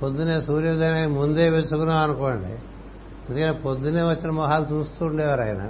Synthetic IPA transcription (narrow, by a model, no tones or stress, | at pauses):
pod̪ːuneːsuːɾjɐʋid̪ʱɐjnamund̪e̞ːʋet͡ʃukunaːɐnukoːɳɖḭ | ɐnd̪kɐneːpod̪ːuneːʋɐt͡ʃːinɐmɔɦaːlut͡ʃuːst̪uːɳɖɛːʋaːɾɐːjnɐ̰